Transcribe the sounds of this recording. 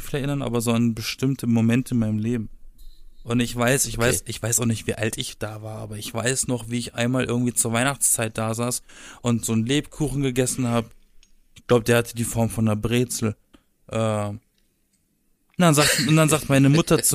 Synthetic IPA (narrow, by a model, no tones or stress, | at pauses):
fiːlɛɐɪnɐnʔa̰ːbɐzoːanbəʃtɪmtʰəmomɛntʰəɪnmaɪnəmleːbm̩ | ʔʊntɪçv̥aɪsɪçv̥aɪsɪçv̥aɪsaʊχnɪçtv̥iːʔaltɪçd̥aːvaːɐʔa̰ːbɐɪçv̥aɪsnɔχviːɪçʔa̰ɪnmaːlʔɪ̰ɐɡŋ̩tv̥iːt͡suːɐvaɪnaχt͡st͡saɪt̚d̥aːzaːsʔʊntz̥oːnleːpkʰuːxn̩ɡəɡɛsn̩haːbə | ɪçɡ̥laʊbəd̥eːɐhatʰədiːfɔɐmfɔndɐbʁeːt͡sl̩ | ʔɛː | ndanzaːktʊnd̥anzaːktmaɪnəmʊtʰɐt͡s